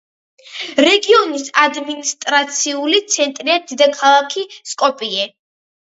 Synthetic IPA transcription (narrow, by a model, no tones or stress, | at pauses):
ɾɛɡiɔnisad̪minist̪ʼɾat̪sʰiulit̪sʰɛnt̪ʼɾiad̪id̪akʰalˠakʰiskʼɔpʼiɛ